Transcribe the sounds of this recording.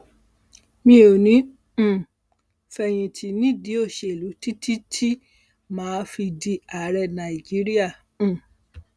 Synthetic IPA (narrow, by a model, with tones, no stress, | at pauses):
mĩ˧o˨nĩ˨˦˨ | fɛ˧j̃ĩ˧tʰi˧nĩ˦˨di˨˦o˦˨ʃe˧˨lu˨˦ti˦ti˦tʰi˦ | mãː˨˦fi˧di˧a˨˦ɾɛ˧nã˨i˨d͡ʒi˨˦ɾi˦ã˦˨˦